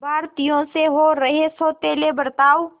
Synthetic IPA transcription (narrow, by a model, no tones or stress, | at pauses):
bʱaːɾt̪ijõseɦoɾəɦesot̪eːlebəɾt̪aːw